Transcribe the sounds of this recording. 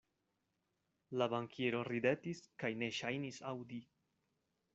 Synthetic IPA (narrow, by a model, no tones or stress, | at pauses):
labaŋkʰeɾo̞ɾide̞tiskajne̞ʃajnisawdi